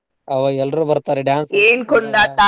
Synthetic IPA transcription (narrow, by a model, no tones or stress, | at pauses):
ɐʋɐɛlɖɾubɐɾt̪aːɾeɖaːnseːnkond̪at̪a